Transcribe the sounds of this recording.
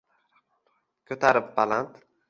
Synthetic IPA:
kʲʰɵt̪ʰaɾɪp̚balant̪

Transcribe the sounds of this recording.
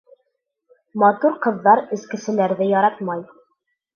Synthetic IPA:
mɑt̪uɾqɤ̆ðːɑɾɘ̆skɘ̆sɘ̆læɾðɘjɑɾɑt̪mɑj

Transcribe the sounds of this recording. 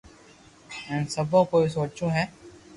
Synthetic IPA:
ɛːnsɐbʱõkoːis̬oːt͡ʃũɦɛː

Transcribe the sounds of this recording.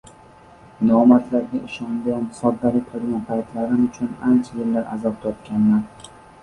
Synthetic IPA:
nɒmat̪ʰlaɾɡʲaɪʃɒnɡansɒd̪ːalɪk̚ʲqʰoɾɡʲanpʰajt̪ʰlaɾɪmʊt͡ʃʰʊna̰nt͡ʃʰajɪlːaɾʔa̰zɒp̚t̪ʰɒpkʲanːaɾ

